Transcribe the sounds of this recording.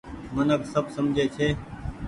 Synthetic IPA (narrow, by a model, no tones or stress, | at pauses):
mənəksəbsəmd͡ʒʱeːt͡ʃʰeː